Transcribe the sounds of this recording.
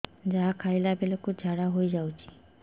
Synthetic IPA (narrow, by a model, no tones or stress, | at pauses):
d͡ʒaɦakʰajlabelokud͡ʒʱaɽaɦojd͡ʒawt͡ʃʰi̥